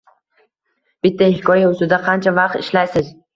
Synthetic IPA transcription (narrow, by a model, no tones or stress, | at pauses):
b̥ɪt̪ʰːahɪkʰɒjaʊst̪ɪd̪aqʰɑnt͡ʃʰavɑq̚t̪ɪʃlajsɪz